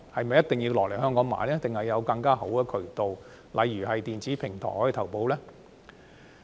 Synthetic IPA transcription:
hɐ˨jmɐ˨˩jɐ˥t̪ɪ˨ŋjiː˧wlɔː˨˩le˨˩jhœː˥ŋkɔː˨˥ŋma̰ː˨˥jlɛː˥t̪ɪ˨ŋhɐ˨jːɐ˨˧wkɐ˧ŋkaː˥ho˨˥wkɛː˧kʰɵ˨˩ɥt̪o˨w | lʔɐ̰˨˧jːyː˨˩hɐ˨jt̪iː˨nt͡siː˨˥pʰɪ˨˩ŋt̪ʰɔ̰ː˨˩jhɔ˨˥˨t̪ʰɐ˨˩wpo˨˧wlɛː˥

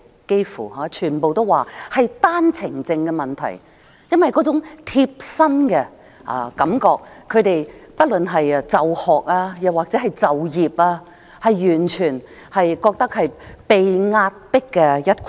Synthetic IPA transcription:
ke˥jfṵː˨˩haː˨˦˥t͡ʃʰyː˨˩npo˨wt̪o˥waː˨hɐ˨jt̪aː˥nt͡sʰɪ˨˩ŋt͡sɪ˧ŋkɛ˧mɐ˨nt̪ʰɐ̰˨˩j | jɐ˥nwɐ˨jkɔ˨˥t͡sʊ˨˥ŋt̪ʰiː˧p̚sɐ˥nkɛ˧ | ʔa̰˧kɐ˨˧˥mkɔː˧kʰːɵ˨˧ɥt̪e˨jpɐ˥t̚lɵ˨nɦɐ˨jt͡sɐ˨whɔː˨k̚aː˧jɐ˨˧waː˨k̚t͡sɛ˨˥ɦɐ˨jt͡sɐ˨wjiː˨p̚aː˧ | hɐ˨jːyː˨˩nt͡ʃʰyː˨˩n | hɐ˨jkɔː˧k̚t̪ɐ˥k̚hɐ˨jpe˨jŋaː˧t̚pɪ˥kːɛ˧jɐ˥t̚k

